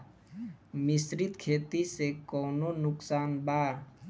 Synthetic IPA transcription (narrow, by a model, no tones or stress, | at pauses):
misɾit̪kʰeːt̪isekɔːnonʊksaːnba